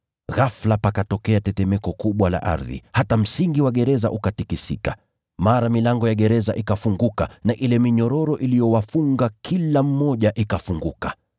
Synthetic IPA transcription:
ɣaflapakatɔkɛatɛtɛmɛkɔkuɓwala̰ʔa̰ɾðḭhatam̩siŋɡiwaɠɛɾɛza̰ʔukatikisḭka̰ | maɾamilaŋɡɔjaɠɛɾɛza̰ʔikafuŋɡuka̰naʔilɛmiɲɔɾɔɾɔʔilijɔwafuŋɡakʰilam̩mɔʄaʔikafuŋɡuka

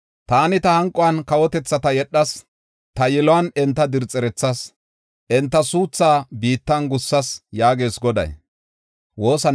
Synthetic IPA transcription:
t̪aːnɪt̪ɐhɐŋkʼːɔwɐnkɐwɔt̪ɛt͡sːɐt̪ɐjɛɗːɐs | t̪ɐjɛlɔwɐnɛnt̪ːɐd̪ɪɾt͡sʼːɛɾɛt͡sːɐs | ʔɛnt̪ːɐsuːt͡sːaːbiːt̪ːɐnɡʊsːɐsjaːɡe̞ːsɡɔd̪ɐ̰j | wo̞ːsɐ

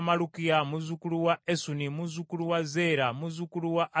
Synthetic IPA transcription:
malukijamuzukuluwaesunimuzukuluwazeɾamuzukuluwaʔ

